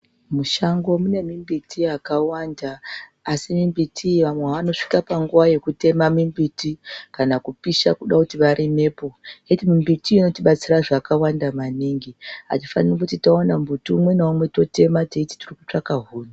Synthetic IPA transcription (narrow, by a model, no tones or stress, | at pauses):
muʃaŋɡo̞mune̞mimbitʰiakawandaː | simimbitʰiʋamweaʋano̞ʂi̥kapaŋɡuʋaje̞kute̞mamimbitikanakupiʃakuɗakutiʋaɾine̞po̞etimimbitiːno̞tiɓat͡siraʐakawandamaniŋɡiɦa̰tifanirikutitaonambutuːmwe̞naumwe̞to̞te̞mateiti̥tirikut͡ʂakaɦuːna